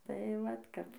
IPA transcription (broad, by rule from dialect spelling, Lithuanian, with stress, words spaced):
tɐɪ ˈʋɐt ˈkɐp